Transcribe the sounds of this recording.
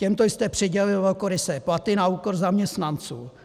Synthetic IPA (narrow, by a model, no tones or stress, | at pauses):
cɛmt̪ojst̪ɛpr̝̥ɪɟɛlɪvɛlkoɾɪsɛplat̪ɪnaukoɾzamɲɛst̪nant͡suː